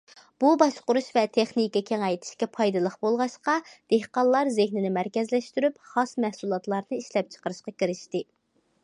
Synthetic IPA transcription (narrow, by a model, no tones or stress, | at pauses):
b̥ubɑʃqʊɾuʃvɛt̪ʰeχnikʲɛkʲʰeŋɛjt̪ʰɪ̥ʃkʲɛpʰɑjd̪ɨlˠəχbolˠʁɑʃqɑd̪̥ehqɑllˠɑɾzɪhnɪnɪmæɾkʲɛzlɛʃt̪yɾypχɑsmɛhsulˠɑt̪lˠɑɾnɨiʃlɛp̚t͡ʃʰə̥qəɾɨʃqɑkʲiɾɪʃt̪ɪ